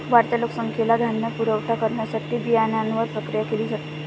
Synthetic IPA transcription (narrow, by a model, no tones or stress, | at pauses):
ʋaɾt̪əloksəŋkʰelaɡʱjanːəpuɾəʋʈʰakəɾɳjasaʈiːbijanjanʋəɾpɾəkɾijakeliːd͡zat̪i